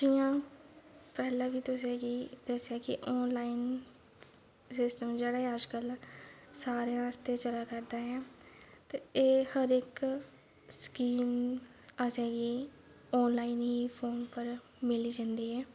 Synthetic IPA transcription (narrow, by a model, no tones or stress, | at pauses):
d͡ʒijãː | pɛːlãːʋiːt̪ʊseːɡiːd̪əsːejaːkɪ̰ʔɔːnlaːin | sɪsʈəmd͡ʒeːɽaːɛəd͡ʒkəlsaːɾejãːst̪eːt͡ʃəlaːkəɾd̪aːɦɛːt̪eeːhəɾɪk | skiːməsɛːɡiː | ɔːnlaːiːnɦiːpʰoːnpəɾ | mɪliːd͡ʒãːnd̪iːɦɛː